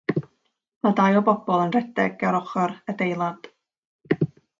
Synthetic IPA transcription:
madajɔbɔb̥ɔlˠənrɛdɛɡaɾɔχɔɾədejlˠad̥

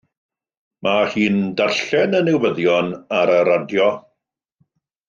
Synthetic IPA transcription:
mʔahiːndarɬɛnənɪwwəðjɔnaɾəɾadjɔ

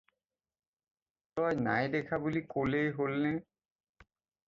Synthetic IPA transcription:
t̪ɔjnajd̪ɛkʰabulikolejɦolːe

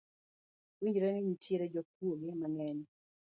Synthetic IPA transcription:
wiɲd͡ʒɾenɪɲitjeɾed͡ʒɔk̚woɡɪmaŋɛɲ

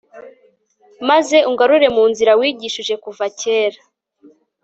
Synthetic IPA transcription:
maze̞uŋɡaɾuɾe̞muːnziɾawiːɟiʃiʒe̞kuvace̞ːɾa

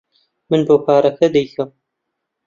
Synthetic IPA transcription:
mɨnboːkʰaːɾɐkʰɐd̪ɛjkɐm

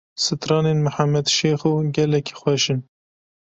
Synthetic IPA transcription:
sɨt̪ɾɑːneːnmɨħamːɛd̪ʃeːxuːɡɛlɛkʰi̥xwɛʃɨn

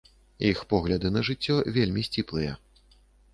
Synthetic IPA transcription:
jixpɔɣlʲɐd̪ɨnɐʐɨt͡sʲːɔvʲelʲmʲisʲt͡sʲiplˠɨjɛ̰

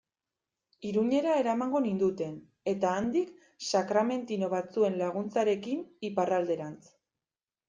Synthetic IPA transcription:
iɾuɲe̞ɾae̞ɾamaŋɡo̞nind̪ut̪e̞n | e̞t̪aːnd̪ik | sakɾame̞nt̪ino̞β̞at͡sue̞nlaɣ̞unt͡saɾe̞kiniparald̪e̞ɾant͡s

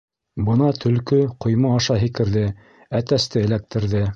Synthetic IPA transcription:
bɤ̆nɑt̪ʰɵ̆lkɵqŏjmɑːʃɑɦikɘ̆ɾðɘ | æt̪æst̪ɘɘ̆læk̚t̪ɘ̆ɾðɘ

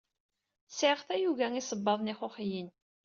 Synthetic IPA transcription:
sʕʁθæjuɣæŋisəbːɑðˤniχoχjin

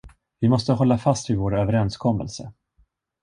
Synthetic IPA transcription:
vɪmɔst̪əɦɔlːafast̪vɪvoːɾøːvəɾɛnskʰɔmːə̰lsə

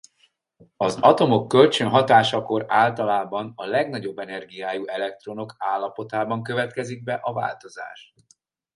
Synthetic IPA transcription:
ɒzɒt̪o̞mo̞kːø̞lt͡ʃønɦɒt̪aːʃɒko̞ɾaːlt̪ɒlaːbɒnɒlɛɡnɒɟo̞bːɛnɛrɡijaːjuʔɛlɛkt̪ro̞no̞kaːlːɒpo̞t̪aːbɒŋkø̞vɛt̪kɛziɡ̚bɛʔɒva̰ːlt̪o̞za̰ːʃ

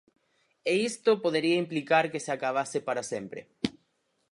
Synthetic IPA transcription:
eist̪opoðeɾiaimplikaɾkeseakaβ̞asepaɾasempɾḛ

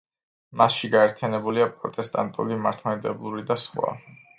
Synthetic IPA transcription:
masʃiɡaɛɾt̪ʰijanɛbuliapʼɾɔ̰t̪ʼɛst̪ʼant̪ʼṵlimaɾt̪ʰmɛd̪ɛblˠuɾid̪asχwa̰

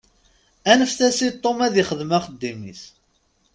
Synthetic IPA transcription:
ænəfθæsit̪ˤːomæðiχəðmæχəd̪ːimḭs

